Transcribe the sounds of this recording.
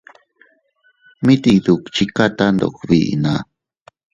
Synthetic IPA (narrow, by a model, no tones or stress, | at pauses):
mit̪id̪ukt͡ʃikat̪and̪o̰kbḭʔna